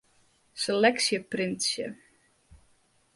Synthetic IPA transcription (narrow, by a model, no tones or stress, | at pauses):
selɛksjəprɪnsjə̰